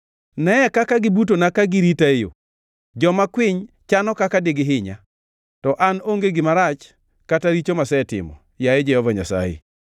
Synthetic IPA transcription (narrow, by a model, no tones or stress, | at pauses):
nɛɛkakaɡɪbut̬onakaɡɪɾitaejo̰ | d͡ʒɔmakwɪɲ | t͡ʃanɔkakadeɡɪɦɪɲa̰ | tɔʔanoŋɡeɡɪmaɾat͡ʃ | kataɾit͡ʃomasɛtɪ̰mɔ̰ | jaɛd͡ʒɛhɔvaɲa̰sa̰jḛ